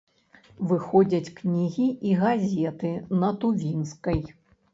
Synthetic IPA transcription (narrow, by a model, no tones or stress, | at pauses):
vɨxɔd͡zʲɐt͡sʲknʲiɣʲiiɣazʲɛt̪ɨnɐt̪uvʲinskɐj